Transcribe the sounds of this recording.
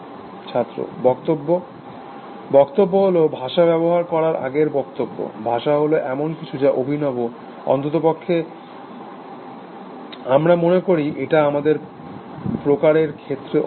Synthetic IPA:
t͡ɕʰat̪ːɾo̰bɔkt̪obːo | bɔkt̪obːoɦolobʱaʃabɛβoɦaɾkɔɾaɾa̰ɡeɾbɔkt̪obːo̰bʱaʃaɦoloʔɛmonkit͡ɕʰud͡ʑaʔobʱinɔbo | ɔ̰nt̪ot̪̬opokʰːe | amɾamonekoɾiʔeʈaamad̪eɾ | pɾokaɾeɾkʰet̪ːɾe

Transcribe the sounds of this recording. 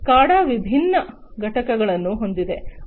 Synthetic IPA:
kaːɽaːʋibʱinːɐ | ɡʱɐʈɐkɐɡɐɭɐnːuɦo̞nd̪id̪e̞

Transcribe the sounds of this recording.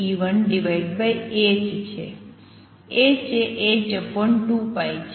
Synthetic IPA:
iʋənɖiʋajɖbajet͡ʃt͡ʃʰḛ | et͡ʃʰeʔed͡ʒəpəɳʈupajt͡ʃʰ

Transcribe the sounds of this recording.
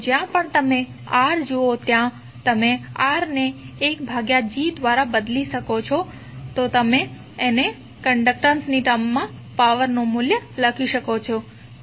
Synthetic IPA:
d͡ʒjãpəɳt̪əme | aɾd͡ʒoot̪jã | t̪əmeaɾneːkbʱaɡjad͡ʒid̪ʋaɾabəd̪liʃəkot͡ʃʰɔ | t̪ot̪əmeː | ne | kəɳɖək̚ʈənsniʈəmːãpaʋəɾnomuljələkʰiʃəkot͡ʃʰɔ

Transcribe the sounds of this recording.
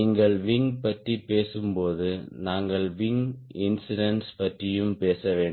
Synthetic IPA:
iːŋɡɐɭʋɪŋpɐʈripeːsɯmpoːðɯnaːŋɡɐɭʋɪŋɪnsɪɽɐnspɐʈrɪjɯmpeːsɐʋeːɳɖ

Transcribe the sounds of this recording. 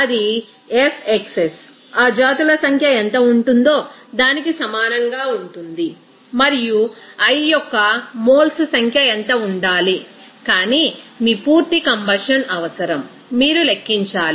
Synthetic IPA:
ɐd̪i | epʰekses | aːd͡ʒaːt̪ulɐsɐŋkʰjɐent̪ɐuɳʈund̪o̞ːd̪aːnikisɐmaːnɐŋɡaːuɳʈund̪i | mɐɾijuɐjjɔkːɐmo̞ːlssɐŋkʰjɐent̪ɐuɳɖaːli | kaːnimiːpuːɾt̪ikɐmbɐʂɐnɐʋɐsɐɾɐmː | iːɾulɐkːiɲt͡ʃaːli

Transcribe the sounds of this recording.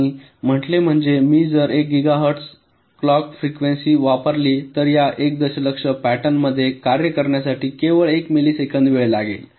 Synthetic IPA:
i | m̤əʈlem̤əɳd͡zemiːd͡zəɾek̚ɡiɡaɦəɾʈs | klɔkfɾikʋensiːʋapəɾliːt̪əɾjaʔek̚d̪əɕələkʂəpæʈənməd̪ʱːjekaɾjəkəɾɳjasaʈiːkeʋəɭekmiliːsekʰənd̪ʋeɭelaɡḛl

